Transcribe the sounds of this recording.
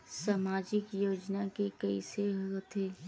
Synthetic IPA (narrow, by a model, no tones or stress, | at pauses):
samaːd͡ʒɪkjoːd͡ʒnakekɐiseɦot̪ʰeː